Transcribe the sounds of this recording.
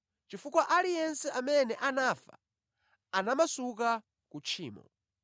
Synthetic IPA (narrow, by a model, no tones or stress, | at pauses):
t͡ʃifukwaʔalijɛnsɛʔamɛnɛʔanafa̰ | anamasuk̬a | kut͡ʃʰiːmɔ̰